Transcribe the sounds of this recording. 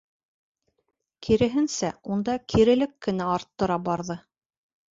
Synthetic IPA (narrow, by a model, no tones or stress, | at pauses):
kʰiɾɘ̆ɦɘ̆nsæund̪ɑkʰiɾɘ̆lɘkːɘ̆næɑɾt̪ːɤ̆ɾɑbɑɾðɤ